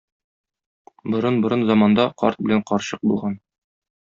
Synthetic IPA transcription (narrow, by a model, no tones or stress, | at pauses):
bŏɾɤnbŏɾɤnzɒmɑnd̪ɑqɒ̰ɾt̪̚bɘ̆læɴqɒɾɕɤq̚bulˠʁɑn